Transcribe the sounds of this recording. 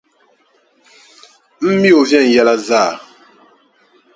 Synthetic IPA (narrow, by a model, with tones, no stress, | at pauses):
m̩˦mi˦o˨vjɛ˦˨n̩˨jɛ˦la˦zaː˦˨